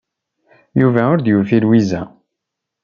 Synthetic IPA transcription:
juvæʊɾd̪jufilwizæ̰

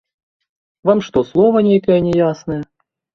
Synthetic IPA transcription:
vamʂt̪ɔslˠɔvɐnʲejkɐjɛnʲɛjasnɐjɛ

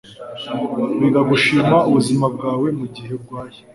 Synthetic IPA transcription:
wiɡaɡuʃiːmauβuzimab̚ɡaːwe̞muɟiɦe̞b̚ɡwaːje

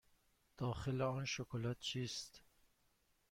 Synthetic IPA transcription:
d̪̥ɒːxeleɒnʃokʰolæt̪̚t͡ʃʰiːst̪

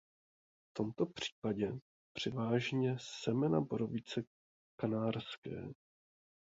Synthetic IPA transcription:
ft̪o̞mt̪o̞pr̝̥i̥ːpaɟɛ | pr̥ɪvaːʒɲɛsɛmɛnaboɾovɪt͡sɛ | kanaːrskɛ̰ː

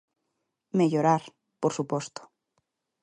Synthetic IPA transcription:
meʎoɾaɾ | poɾsupost̪o̥

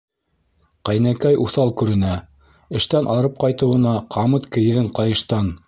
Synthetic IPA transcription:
qæjnækæjʔuθɑlˠkʉɾɘ̆næ | ɘ̆ʃt̪ænʔɑɾɤp̚qɑjt̪ɤ̆wɤ̆nɑqʰɑmɤt̪kɘ̆jɘ̆ðɘɴqɑjɤ̆ʃt̪ɑn

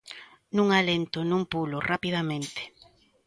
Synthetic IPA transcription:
nũŋalent̪ʊnũmpulorapiðamẽnt̪e̥

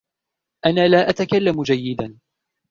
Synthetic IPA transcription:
ʔanaːlaːʔat̪akalːamd͡ʒajːɪd̪an

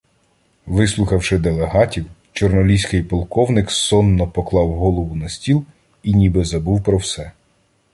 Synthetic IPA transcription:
ʋɪslˠʊxɐwʃɪd̪elˠeɦɑtʲiwt͡ʃɔrnɔlʲisʲkɪjpɔlˠkɔwnɪksɔnːɔpɔklˠɑwɦɔlˠɔʋʊnɐsʲtʲilˠ | inʲibɪzɐbuwpɾɔwsɛ

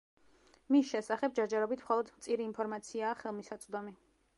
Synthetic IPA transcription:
misʃɛsaχɛb̚d͡ʒɛɾd͡ʒɛɾɔbit̪ʰmχɔlˠɔd̪mt̪sʼiɾiːnpʰɔɾmat̪sʰiaːχɛlˠmisat̪sʼd̪ɔmi

